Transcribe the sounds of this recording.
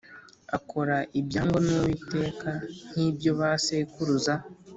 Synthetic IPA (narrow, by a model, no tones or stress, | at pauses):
akʰo̞ɾaʔibjaːŋɡonuwite̞kan̥hibjo̞βaseikuɾuza